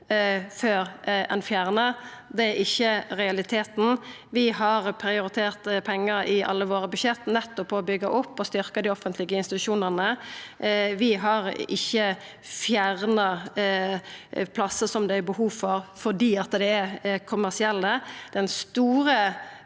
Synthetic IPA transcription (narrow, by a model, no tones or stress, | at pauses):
føːɾɛ̰nfjæːʁnəd̪ɛæɾɪçːəʁɛɑlɪt̪ʰeːt̪n̩ | ʋɪhɑʁpʰɾɪʊɾɪt̪ʰeːʁt̪pʰɛŋːəɾɪʔɑ̰lːəʋoːɾəbʉʃɛt̪nɛt̪ːɔpʰːɔɔbʏɡːɑʔʊpːɔst̪ʏɾkəd̪ɪɔfənt̪lɪɡəɪnst̪ɪt̪ʉʃuːnəʁnə | ʋɪɦɑʁɪçːə | fjæʁnɑ | pʰlɑsəsɔmd̪ɛæbəhuːʋfɔɾfɔʁd̪iːɑt̪ːəd̪ɛækʰʊmːæʁsɪɛlːəd̪ɛnst̪uːɾə